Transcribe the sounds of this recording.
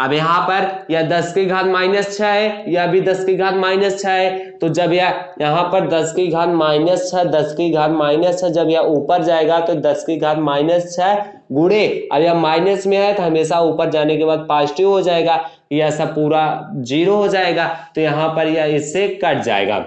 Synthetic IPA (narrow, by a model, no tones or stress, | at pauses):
ɐbjɐɦãpɐɾjɐd̪ɐskiɡʱaːt̪maːɪnəst͡ʃʰaɛjaɐbʱid̪ɐskiɡʱaːt̪maːɪnəst͡ʃʰaɛt̪od͡ʒɐbjajɐɦãpɐɾd̪ɐskiɡʱaːt̪maːɪnəst͡ʃʰɛd̪ɐskiɡʱaːt̪maːɪnəst͡ʃʰɛd͡ʒɐbjɐuːpəɾd͡ʒaːeːɡat̪od̪ɐskiɡʱaːt̪maːɪnəst͡ʃʰɛ | ɡʊɽeɐ̰bjɐmaːɪnəsmẽɦɛt̪oɦɐmeːsauːpəɾd͡ʒaːnekebaːd̪̚paːsʈiɦod͡ʒaːeːɡaːkijɛːsapuːɾad͡ʒiːɾoɦod͡ʒaːeːɡat̪ojɐɦãpɐɾjɐɪsːekɐʈʰd͡ʒa̰ːḛːɡa̰ː